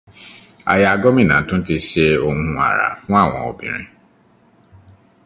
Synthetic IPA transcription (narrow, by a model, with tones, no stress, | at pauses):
a̰˧ja˧a˧ɡɔ˦mĩ˦˨nã˨˦tũ˦n̩˦ti˧ʃe˧o˧hũ˦ũ˧a̰˨ɾa̰˨fũ˦a˦˨w̃ɔ̃˧ɔ˧bĩ˨ɾ̃ḭ̃˧